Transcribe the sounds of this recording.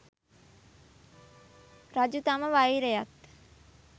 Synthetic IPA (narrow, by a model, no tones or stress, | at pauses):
ɾad͡ʒut̪aməʋajɾejat̪